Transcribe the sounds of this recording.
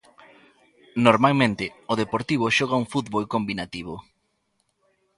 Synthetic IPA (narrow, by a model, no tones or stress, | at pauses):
noɾmalmẽnt̪ɪoðepoɾt̪iβ̞ʊʃɔɣ̞auŋfut̪βolkombinat̪iβ̞ʊ